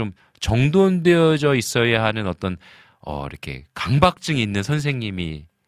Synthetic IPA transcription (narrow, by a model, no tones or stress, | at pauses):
om | t͡ɕʌŋdondwe̞ʌd͡ʑʌis͈ʌjaɦanɯnʌt͈ʌn | ʌ̰ḭɾʌkʰe̞̰kaŋbak̚t͡ɕ͈ɯŋiːnːɯnsʰʌnsʰe̞ŋɲimḭ